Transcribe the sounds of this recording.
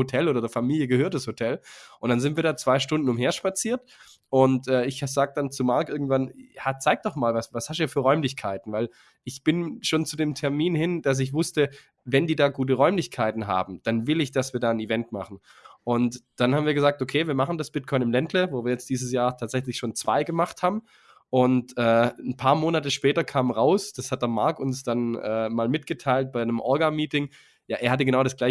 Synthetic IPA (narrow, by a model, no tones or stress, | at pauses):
hotʰɛloːdɐdeɐfamiːljəɡəɦøːɐt̚d̥ashotʰɛlʔʊntd̥anzɪntv̥iːɐdaːt͡sv̥aɪʃtʊndn̩ʊmheːɐʃpat͡siːɐt | ʔʊntʔɛːɪçhz̥aːɡəd̥ant͡sumaɐkʔɪɐɡŋ̩tv̥anhat͡saɪk̚d̥ɔχmaːlvasvashaʃtiːɐfyːɐʁɔʏmlɪçkʰaɪtn̩vaɪl | ʔɪçb̥ɪnʃoːnt͡sudeːmtʰɛɐmiːnhɪnd̥as̬ɪç̬v̥ʊstə | vɛndiːdaːɡuːt̬əʁɔʏmlɪçkʰaɪtn̩ɦa̰ːbm̩d̥anvɪlɪçd̥asv̥iːɐdaːənivɛntma̰χn̩ | ʔʊntd̥anhaːbm̩viːɐɡəzaːktokʰeːviːɐmaχn̩dasb̥ɪt̚kʰɔʏnɪmlɛntləvoːviːɐjɛt͡std̥iːzəsjaːɐtʰaːtz̥ɛçlɪçʃoːnt͡sv̥a̰ɪɡəmaχthaːbm̩ | ʔʊntʔɛːn̩pʰaːɐmoːnatəʃpɛːtɐkʰaːmmʁaʊsd̥ashat̚d̥ɐmaɐkʊnsd̥anʔɛ̰ːmaːlmɪtɡ̥ətʰaɪlt̚b̥aɪnəmʔɔɐɡamiːtɪŋ | jaːʔeːɐhat̬əɡənaʊɾasɡ̥laɪ